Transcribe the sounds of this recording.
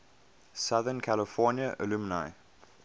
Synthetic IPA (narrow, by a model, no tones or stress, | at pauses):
saðənkʰæləfɔnjəʔəlumənaɪ